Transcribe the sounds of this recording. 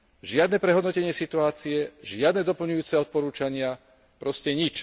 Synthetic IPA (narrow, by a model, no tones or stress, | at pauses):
ʒɪad̪nɛpɾɛɦɔd̪nɔcɛɲɪɛsit̪uaːt͡siɛʒɪad̪nɛd̪ɔpl̩ɲujuːt͡sɛɔt̪̚pɔɾuːt͡ʃaɲɪa | pɾɔscɛɲit͡ʃ